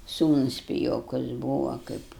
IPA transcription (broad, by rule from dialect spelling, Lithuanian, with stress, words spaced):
ˈsuːnʊs pʲɪˈjoːkʊs ˈbuːʋɐ kɐɪp